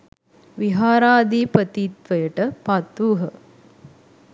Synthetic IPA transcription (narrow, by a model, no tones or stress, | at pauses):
ʋiɦaːɾaːd̪iːpət̪it̪ʋəjəʈəpat̪uːɦə